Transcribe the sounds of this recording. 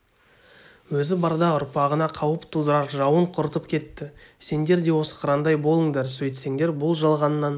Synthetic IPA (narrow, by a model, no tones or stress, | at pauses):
wɵzɪbɑɾd̪ɑʊɾpɑʁənɑqʰɑwəpt̪ʰud̪əɾɑɾʒɑwəɴqʰʊɾt̪əpkʲʰe̞t̪ːɪse̞nd̪e̞ɾd̪e̞wo̞sə̥qʰɾɑnd̪ɑjbo̞lˠəŋd̪eɾsɵjt̪se̞ŋd̪e̞ɾbʊlˠʒəlˠʁɑnːɑn